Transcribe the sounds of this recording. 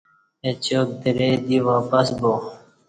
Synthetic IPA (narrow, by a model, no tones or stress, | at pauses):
et͡ɕoːk̚d̪iɾed̪iʋaːpəsbo